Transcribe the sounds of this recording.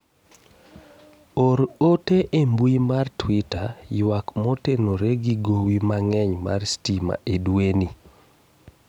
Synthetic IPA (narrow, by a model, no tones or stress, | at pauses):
oɾoteʔembwuimartwitajwakmɔtenoɾeɡiɡowimaŋɛɲma̰rstima̰ʔedweni